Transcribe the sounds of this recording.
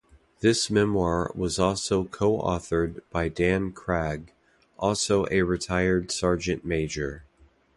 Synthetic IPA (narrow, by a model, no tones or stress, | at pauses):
ðɪsmɛ̃mwɑɹwʌzɔlˠsoʊkʰoʊʔɔ̰θə˞d̚b̥aɪdæ̃nkʰɹ̥æɡ | ʔɔlˠsoʊʔɨɹɨtʰaɪə˞d̥sɑɹd͡ʒɨ̃nmeɪd͡ʒə˞